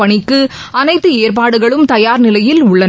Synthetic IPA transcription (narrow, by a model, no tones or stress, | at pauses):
ɐɳɪkːɯ | ɐnɐɪt̪ːɯeːrp̬aːɽɯɣɐɭɯmt̪ɐjaːɾnɪlɐjɪlʊɭːɐ